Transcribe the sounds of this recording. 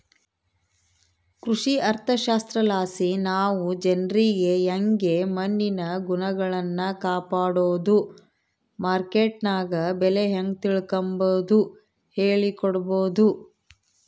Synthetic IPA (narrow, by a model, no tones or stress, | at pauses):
kɾuʂiɐɾt̪ʰɐʃaːst̪ɾɐlaːsinaːʋud͡ʒɐnɾiɡe̞jɐŋɡe̞mɐnːinɐɡunɐɡɐɭɐnːɐkaːpaːɽoːd̪u | maːɾkeːʈnaːɡɐbɛleɦɐŋɡt̪iɭkɐmboːd̪u | heːɭikɔɽɐboːd̪u